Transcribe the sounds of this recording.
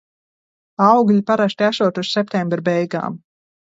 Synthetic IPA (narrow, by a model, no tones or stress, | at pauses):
awɡʎʲipaɾast̪ʲiæʃuɔt̪ussɛp̚t̪ɛ̃mbɾbɛjɡa̰ːm